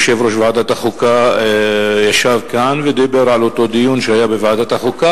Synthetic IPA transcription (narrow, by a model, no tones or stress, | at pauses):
ʃevɾoʃvaʕad̪at̪aχuka | jaʃavkanved̪ibeɾʕalot̪o̞d̪ijunʃehajabevaʕad̪at̪aχuka